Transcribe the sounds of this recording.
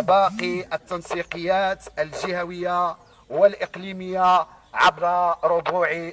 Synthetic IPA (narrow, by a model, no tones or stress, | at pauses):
bɑqiʔət̪ːɑnsˤiqəjːæt̪əlʒihæwəjːa | wəlʔəqliməjːa | ʕabɾaɾʊbuʕi